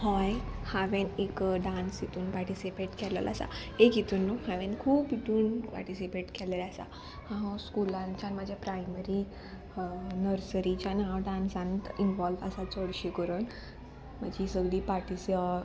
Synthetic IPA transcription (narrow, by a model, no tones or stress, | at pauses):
hɔjhaʋẽnekɖãnsit̪ʰuːnpaɾʈisipeʈkɛlə̰la̰sa̰ekit̪uːnːohaʋenkʰuːpiʈ̪ʰuːnpa̰ɾʈisipeʈkʰɛlelasa̰ | hãɦɔskulãɲt͡ɕjanməd͡ʑʱjapɾajməɾi | nəɾsəɾit͡ɕjanãʋɖãnsãnt̪inʋɔlʋasat͡sɔɽɕikəɾən | m̤əd͡ʑʱisəɡɽiːpaɾʈis